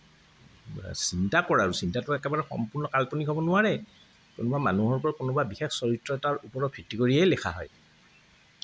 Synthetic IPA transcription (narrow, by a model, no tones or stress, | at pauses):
sintakɔɹaɹusintatʊɛkɛbaɹɛxɔ̰mpʊɹnɔkalpɔniɦʰɔbɔnʊaɹɛ | konʊbamanuɦɔɹpɔɹakonubabixexsɔɹitɹɔtaɹupɔɹɔpʰitːikoɹiɛjlɛxʰa̰ɦɔ̰j